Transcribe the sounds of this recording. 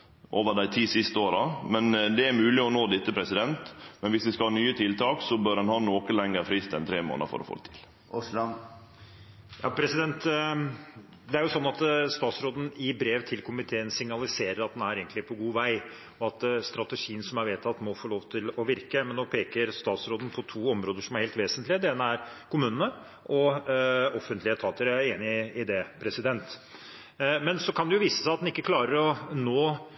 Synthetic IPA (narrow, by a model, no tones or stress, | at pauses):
ʔoːʋəɖæɪt̪ʰiːsɪst̪əoːɾɑmɛnd̪ɛæɾmʉːlɪɔnoːd̪ɪt̪ːəpʰɾɛsɪd̪ɛnt̪mɛnʋɪsʋɪskɑlhɑːnyːət̪ʰɪlt̪ʰɑːksɔbœɾɛnhɑːnoːkəlɛŋːəɾfɾɪst̪ɛnt̪ʰɾeːmo̰ːnə̰ɾfɔ̰ɾɔ̰fo̰d̪t̪ʰɪ̥l | jɑ̰ːpʰɾɛsɪd̪ɛnt̪ | d̪ɛæɾjʊsɔnːɑt̪st̪ɑːt̪sɾoːd̪n̩ɪbɾeːʋt̪ʰɪlkʊmɪt̪ʰeːənsɪŋnɑlɪseːɾəɾɑt̪̚d̪ɛnæɾeːɡnt̪lɪpʰɔɡuːʋæɪ | ɔɑt̪st̪ɾɑt̪ɛʂiːənsɔmæɾʋeːt̪ʰːɑt̪mɔfoːɭoːʋt̪ʰɪlɔʋɪɾkəmɛnːɔpʰeːkəɾst̪ɑːt̪sɾoːd̪ən̩pʰɔt̪ʰuːɔmɾoːd̪əʂɔmæɾheɪlt̪ʋeːsənt̪lɪəd̪ɛeːnəæɾkʰʊmʉːnənə | ʔɔ | ɔfənt̪lɪət̪ʰɑːt̪əɾæeːnɪɪd̪ɛpʰɾɛsɪd̪ɛnt̪ | mɛnsɔkʰɑnd̪ɛjʊʋiːsə̥sæɪɑt̪d̪ɛnɪkːəkʰlɑːɾəɾɔnoː